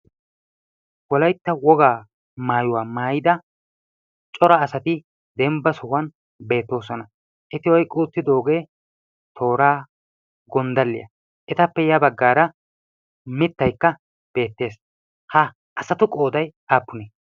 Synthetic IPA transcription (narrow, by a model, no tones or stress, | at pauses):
wɔlɐjt̪ːɐwɔɡaː | maːjʊwaːmaːjɪd̪ɐ | t͡ʃʼɔɾɐːsɐt̪ɪ | d̪ɛmbːɐsʊwɐn | be̞ːt̪ːo̞ːsɔnɐ | ʔɛt̪ɪwɔjkʼuːt̪ːɪd̪o̞ːɡe̞ː | t̪ʰo̞ːɾaː | ɡɔnd̪ɐlːɪjɐ̰ | ʔɛt̪ɐpːɛjɐbɐɡːaːɾɐ | mɪt̪ːɐjkːɐ | b̥e̞ːt̪ːe̞ːs | hɐ | ʔɐsɐt̪ʊkʼo̞ːd̪ɐjaːpːʊne